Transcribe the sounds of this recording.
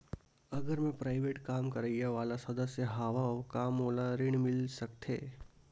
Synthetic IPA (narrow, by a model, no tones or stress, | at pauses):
ɐɡəɾmẽpɾaːɪʋeːʈkaːmkɐɾəijaʋaːlasɐd̪əsjəɦaːʋaɔːkaːmoːlaɾɪɳ̃mɪlsɐkt̪ɦeː